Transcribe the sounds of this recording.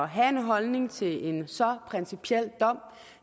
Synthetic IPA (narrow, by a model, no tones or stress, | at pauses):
ɒɦæe̝nɦɒ̽lne̝ŋt͡sʰe̝le̝nsɒ̽pʰʁɛnsipʰiel̰d̥ɒ̽m̰